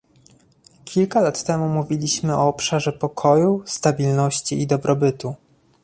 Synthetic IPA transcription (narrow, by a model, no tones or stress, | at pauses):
kʲʰilkalat̪ːɛmumuvʲilʲiɕmɘɔːpʂaʐɛpɔkʰɔjust̪abʲilnɔɕt͡ɕiid̪ɔbɾɔbɘt̪u